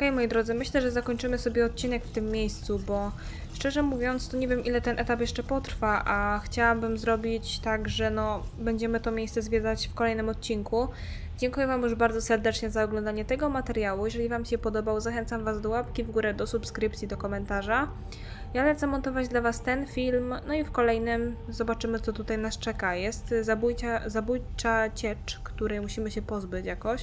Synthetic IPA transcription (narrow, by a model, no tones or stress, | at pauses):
ɔkɛjmɔjid̪ɾɔd̪zɘmɘɕlɛʐɛzakɔɲt͡ʂɘmɘsɔbʲjɛɔt̪̚t͡ɕinɛkft̪ɘmːʲjejst̪subɔ | ʂt͡ʂɛʐɛmuvʲjɔnt̪st̪ɔɲevʲjɛmʔilɛt̪ɛnʔɛt̪apjɛʂt͡ʂɛpɔt̪ɾfaʔaxt͡ɕawabɘmzɾɔbʲit͡ɕt̪aɡʐɛnɔbɛɲd͡ʑɛmɘt̪ɔmʲjejst̪sɛzvʲjɛd̪at͡ɕfkɔlɛjnɘmɔt̪̚t͡ɕiŋku | d͡ʑɛŋkujɛvamjuʐbaɾd̪zɔsɛɾd̪ɛt͡ʂɲɛzaɔɡlɔnd̪aɲɛt̪ɛɡɔmat̪ɛɾjawujɛʐɛlʲivamɕɛpɔd̪ɔbawzaxɛnt̪samvazd̪ɔwapkʲivɡuɾɛd̪ɔsupskɾɘpt̪sʲid̪ɔkɔmɛnt̪aʐa | jalɛt̪sɛmɔnt̪ɔvad͡ʑd̪lavast̪ɛnfʲilmnɔifkɔlɛjnɘmzɔbat͡ʂɘmɘt̪sɔt̪ut̪ajnast͡ʂɛkajɛst̪zabujt͡ɕazabujt͡ʂat͡ɕɛt͡ʂkt̪uɾɛjmuɕimɘɕɛpɔzbɘt͡ɕjakɔɕ